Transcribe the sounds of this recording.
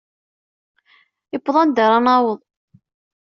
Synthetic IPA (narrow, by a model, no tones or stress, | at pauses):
ipːðˤɑnd̪əɾˤɑnɑwəðˤ